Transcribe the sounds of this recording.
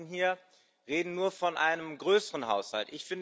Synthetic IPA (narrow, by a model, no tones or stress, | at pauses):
nɦiːɐ | ʁeːdn̩nuːɐfɔnʔaɪnəmɡʁøːsəʁənɦaʊsha̰ltʔɪçfɪnd